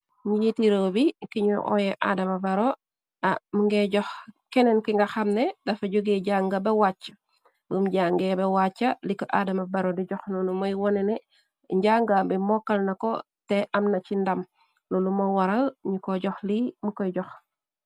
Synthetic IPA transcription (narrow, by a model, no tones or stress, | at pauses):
ɲijitiɾobikiɲuʔɔ̰jɛʔa̰dɐmabaɾo | amuŋɡeɟɔxkenenkiŋɡɐxɐmnedɐfaɟoɡeɟaŋɡɐbewat͡ʃːɐ̥ | bumɟaŋɡebewat͡ʃːɐlikːɔʔadɐmɐbaɾodiɟɔxnunumojwɔnɛne | ɲɟaŋɡabimɔkːɐlnɐko̰ | teʔɐmnɐt͡ʃindɐm | nunumowaɾalɲikoɟɔxlimukojɟɔx